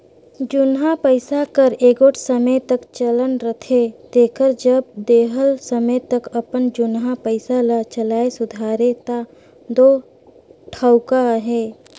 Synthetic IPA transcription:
d͡ʒʊnɦapəɪsakəɾeːɡoːʈʰsəməjt̪əkt͡ʃələnɾət̪ʰed̪eːkəɾd͡ʒəb̚d̪eːɦəlsəmət̪ɐkɐpənd͡ʒʊnɦapəɪsalat͡ʃəlaːesʊd̪ʱaːɾet̪a | d̪oː | ʈʰəʊkaɦɛː

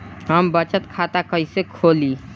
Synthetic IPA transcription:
ɦəmbət͡ʃət̪kʰat̪akəisekʰoli

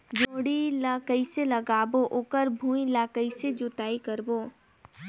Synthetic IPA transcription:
d͡ʒoːɽilakəiselɐɡaːboʔokəɾbʱũːilaːkəised͡ʒʊt̪aːikəɾboː

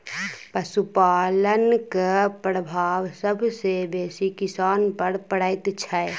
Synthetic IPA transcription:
pəsupaːlənkpɾəbʱaːʋsəbʱsebeːsikɪsaːnpəɾpəɽəɪt̪t͡ʃʰəe

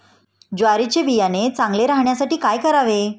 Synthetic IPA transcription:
d͡ʑaɾit͡ɕebijanet͡sãŋɡleɾaɦɳjasaʈiːkajkəɾaʋe

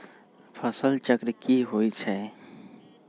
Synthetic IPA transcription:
pʰəsəlt͡ʃəkɾkiɦoːit͡ʃʰɛ

